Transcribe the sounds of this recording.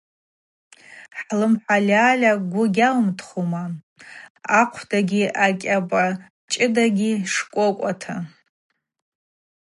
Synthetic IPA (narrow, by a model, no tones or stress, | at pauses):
ħlɨmħʷalʲaːlʲaɡʷʊɡʲalmtʰχoma | aqʷʰdaɡʲiʔakʲʼapʼa | t͡ʃʼɪdaɡʲiʂkʷʼokʷʼatʰa